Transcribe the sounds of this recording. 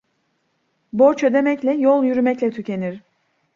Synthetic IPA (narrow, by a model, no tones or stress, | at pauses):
boɾt͡ʃʰød̪e̞mɛclʲɛjolˠjyɾymɛclʲɛt̪ʰycʰe̞niɾ̥